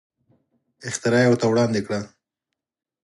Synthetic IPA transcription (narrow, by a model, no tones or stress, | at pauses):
ɪxt̪ɪɾɑjoɾt̪awɽɑnd̪ekɽa